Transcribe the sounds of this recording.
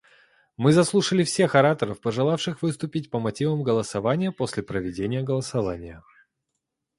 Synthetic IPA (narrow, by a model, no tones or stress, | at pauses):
mɨzɐslˠuʂəlʲɪfsʲe̞xɐɾat̪əɾəfpəʐɨlˠafʂɨxvɨst̪ʊpʲɪt̚ʲpəmɐtʲivəmɡəlˠəsɐvanʲɪjəpo̞sʲlʲɪpɾəvʲɪdʲenʲɪjəɡəlˠəsɐvanʲɪjə